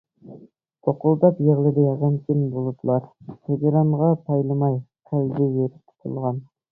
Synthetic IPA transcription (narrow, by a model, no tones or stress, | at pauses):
t̪ʰoqʊlˠd̪ɑpjeʁlˠɪd̪ɪjɑʁɑnkʲʰɪmbolˠɨd̪ɨlˠɑɾt̪ʰeɡʲeɾɑɴʁɑpʰɑjlˠɨmɑjqʰæld̪ɪveɾɪp̚t̪ʰu̥t̪ʰṵlˠʁɑn